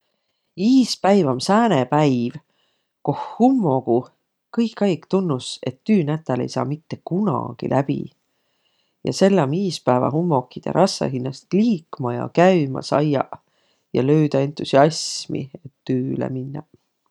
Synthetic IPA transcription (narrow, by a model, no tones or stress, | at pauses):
iːspæjvɑmsæːnepæjv | kohːumːo̞ɡ̥u | kɤjkːˑɑjkt̪unːuse̞t̪ːyːnæt̪ːˑælejsɑ̰ːmit̪ːe̞kunɑ̰ɡ̥ḭlʔæb̥ḭ | jɑ̰se̞lːɑmiːspæːvɑ̰ɦumːo̞kːˑid̪̥ḛɾʔɑsːɑ̰ɦinːɑst̪liːkmɑjɑ̰kæymɑ̰sɑjɑ̰ | jɑ̰lø̞yd̪̥ɑe̞nt̪ˑusiɑsmḭe̞t̪ːyːlḛminːɑ